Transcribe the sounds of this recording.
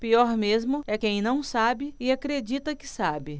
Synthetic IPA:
piɔɾmezmʊɛkẽj̃nɐ̃w̃sabɪɪakɾed͡ʒit̪ɐkɪ̥sabɪ

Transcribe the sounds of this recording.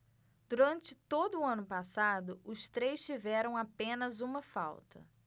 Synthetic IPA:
d̪̥uɾɐ̃nt͡ʃɪt̪od̪ʊːɐ̃nʊpasad̪ʊʊst̪ɾejst͡ʃivɛɾɐ̃w̃apẽnɐzũmɐfa̰wt̪ɐ̰

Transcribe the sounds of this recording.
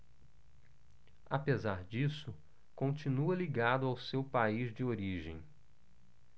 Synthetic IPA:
apezaɾd͡ʒisʊ | kõnt͡ʃinuɐliɡad̪ʊawsewpaizd͡ʒɪoɾiʒḛ̃j̃

